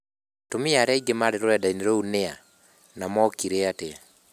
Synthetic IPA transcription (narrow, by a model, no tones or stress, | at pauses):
tomiaɾɛiɡemaɾeɾoɾɛdaineɾounea | namɔkiɾeate